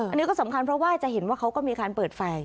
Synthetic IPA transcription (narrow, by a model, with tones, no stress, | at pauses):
a˧ni˦˥kɔː˥˩sa˩˦mkʰa˧npʰɾɔ˦˥waː˥˩t͡ɕa˨˩ʔɦe˩˦nwaː˥˩kʰa˦˥wkɔː˥˩miː˧kaː˧npɤː˨˩t̪̚fa˧j